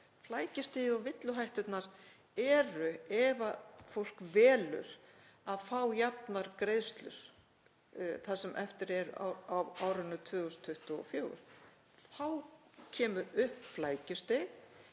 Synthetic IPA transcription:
flaːjcɪst̪eðɔvɪt̪lʏɦajht̪ʏt̪naɾ | ɛɾʏɛvafowl̥kvɛːlʏ̰ɾ̥ | aðfawjap̚naɾkɾejðst̪lʏ̰ɾ̥ | θaðsɛmʔɛft̪ɪɾɛɾa̰avaːwɾʏnːʏt̪ʰvœːɣʏst̪ʰʏht̪ɔɔ̰fjoːwɣʏ̰ɾ̥ | θawcʰɛːmʏɾʏhpflaːjcɪst̪eɣ

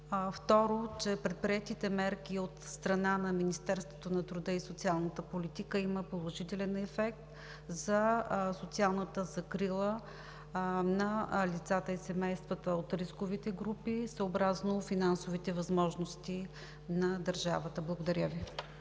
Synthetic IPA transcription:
ft̪ɔɾot͡ʃɛpɾɛt̪̚pɾiɛt̪it̪ɛmɛɾk̟iot̪st̪ɾɐnanɐminist̪ɛɾst̪vo̥t̪onɐt̪ɾʊd̪ɤisot̪sialˠnət̪əpolit̪ikəiməpolˠoʒit̪ɛlɛnɛfɛk̚t̪ | zɐsot̪sialˠnət̪əzɐkɾilˠə | nɐlit̪sat̪əisɛmɛjst̪vət̪əot̪ɾiskovit̪ɛɡɾupisəːbɾaznofinansovit̪ɛvɐzmɔʒnost̪i | nɐd̪əɾʒa̰vət̪əblˠəɡod̪ɐɾʲəvi

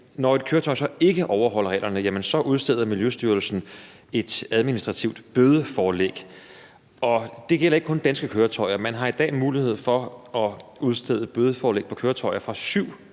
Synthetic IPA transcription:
nɒe̝d̥kʰøːɐt͡sʰɒ̽ɪ̰sɒ̽e̝ɡ̥əʔɒʊɐɦɒ̽l̰ɐʁɛ̰ːlʔɐnəjæmənsɒ̽ʔuð̞ˠsd̥eðˠɐmiljøsd̥yɐl̩sn̩ | e̝d̥æð̞ˠminisd̥ʁɑ̈t͡sʰiʊ̰d̥b̥øːð̞ˠəfɒːlḛɡ̥ | ɒ̽d̥e̝ɡ̥el̰ɐeɡ̥̚kʰɔ̽nd̥ænsɡ̥əkʰøːɐt͡sʰɒ̽ɪ̰ɐmænɦɑ̈id̥ɛ̰ːmuːlihe̝ð̰ˠfɒ̽ɒ̽uð̞ˠsd̥eð̞̰ˠəb̥øðˠəfɒːleːɡ̥̚pʰɒ̽kʰøːɐt͡sʰɒ̽ɪ̰ɐfʁɑ̈syʊ̰

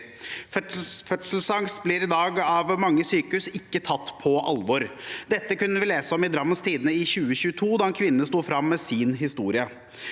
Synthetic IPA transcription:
fœt̪sl̩sɑŋst̪blɪɾɪd̪ɑːɡɑʋmɑŋːəsyːkəʉsɪkːət̪ʰɑt̪ːpʰɔʔɑ̰lʋɔɾd̪ɛt̪ːəkʉnːəʋɪleːsəɔmɪd̪ɾɑmːəst̪ʰiːd̪ənəɪçʉːəɕʉːət̪ʰuːd̪ɑɛnkʰʋɪnnəst̪uːfɾɑmːɛːsiːnɦɪst̪uːɾɪə

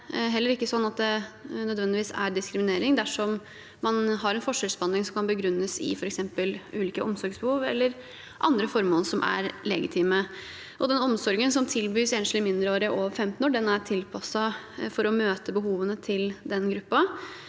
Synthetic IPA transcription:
ɦɛlːəɾɪkːəsɔnːɑt̪̚d̪ɛnœd̪ʋɛnd̪ɪʋiːsæ̰ɖɪskɾɪmɪneːɾɪŋd̪æʂɔm | mɑnɦɑɾɛnfɔʂœsbɑnɪŋsɔmkʰɑnbəɡɾʉnːəsɪ̰fɔɾɛksɛmpəlʉːliːkəʔɔmsɔɾɡsbəhuːʋɛ̰lːəɾ | ʔɑ̰nd̪ɾəfɔɾmoːnsɔmʔæ̰ɾlɛ̰ɡɪt̪ʰiːmə | ʔɔd̪ɛnɔmsɔɾɡənsɔmt̪ʰɪlbyːseːnslɪmɪnd̪ɾəoːɾəʔoːʋəɾfɛmt̪n̩oːɖɛnæʈʰɪlpʰɑsɑ | fɔɾɔmøːt̪əbəɦuːʋənət̪ʰɪld̪ɛnɡɾʉpːɑ

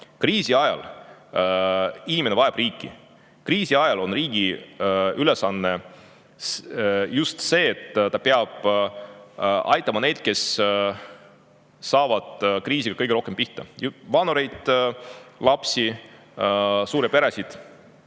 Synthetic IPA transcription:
kriːsiɑjɑ̰l | inʲimenevɑeb̥riːkːˑḭ | kriːsiɑjɑlo̞nriːɡ̥i | ylesɑnːe̞ | sjust̪se̞ːt̪ːt̪ɑpeɑb̥ | ʔɑ̰jt̪ːˑɑmɑne̞jd̪̥̚ke̞s | ɑːvɑd̪̥kriːsiɡ̥ɑ̥kɤjɡeɾo̞hke̞mpiht̪ɑ̰jvɑnuɾe̞jd̪̥ | lɑpsi | suːɾepe̞ɾesid̪̥

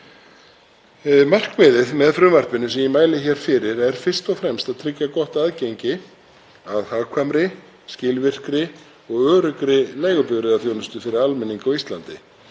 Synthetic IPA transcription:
mar̥kvɪðɪðmɛðfɾʏmvaɾ̥t̪vɪnːʏsɛmjimaːjlɪçɛːɾ̥fɪɾɪɾɛɾ̥fɪr̥st̪ɔfɾɛmst̪aðt̪ʰɾɪcːakɔht̪aðcejɲcɪ | aðhaːɣkʰvamɾɪ | scɪlvɪr̥kɾɪ | ɔɣœːɾʏkɾɪleːjɣʏpʏɣɾɪðaθjoːwnʏst̪ʏfɪɾɪɾalmɛnːiŋkawist̪lant̪ɪ

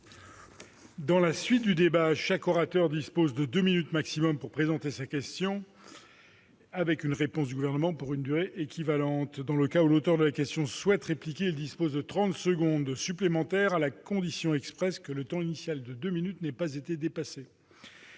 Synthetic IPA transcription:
d̪ɑ̃lasɥit̪̚d̪yd̪ebaʃakɔʁat̪œʁd̪ispozd̪əd̪øminyt̪maksimɔmpuʁpχezɑ̃t̪esakʲɛst̪jɔ̃ | avɛkynʁepɔ̃s̬d̪yɡuvɛʁnəmɑ̃puʁynd̪yʁeʔekʲʰivalɑ̃t̪d̪ɑ̃ləkaulot̪œʁd̪əlakʲɛst̪jɔ̃swɛt̪ʁeplikʲeild̪ispozd̪ət̪χɑ̃t̪səɡɔ̃d̪syplemɑ̃t̪ɛʁalakɔ̃d̪isjɔ̃ɛkspχɛskələt̪ɑ̃inisjald̪əd̪øminyt̪nɛpazet̪ed̪epase

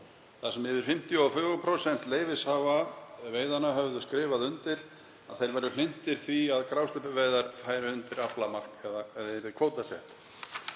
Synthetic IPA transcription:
θasɛmːɪːðʏɾ̥fɪm̥t̪jɔfʏɣɔpʰɾosɛn̥t̪leːjvɪshavaveːjðanaɦœvðʏskɾɪːvaðʏnt̪ɪɾ | a̰ðθejɾvɛɾðʏl̥ɪn̥t̪ɪɾ̥θviaðkɾawst̪ʏpʏveːjðaɾ̥faːjɾɪʏnt̪ɪɾaplamar̥kɛðaɛðaɛɾðɪkʰvoːwt̪asɛ̰ht̪

